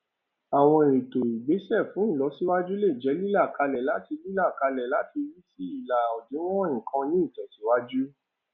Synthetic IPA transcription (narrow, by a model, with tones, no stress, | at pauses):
a˨w̃ɔ̃˧e˨ɾi˨to˨i˨ɡ͡be˨˦sɛ˦˨fũ˨˦n̩˦˨lɔ˨˦si˦wa˦d͡ʒu˦le˦˨d͡ʒɛ˨˦li˦la˦˨ka˧lɛ˨la˨˦ti˧li˦la˦˨ka˧lɛ˨la˨˦ti˧wi˦si˦i˦˨la˨ɔ˨dĩ˨˦w̃ɔ̃˦ĩ˨kʰã˧nĩ˦i˦˨tɛ˨ti˨˦wa˦d͡ʒu˦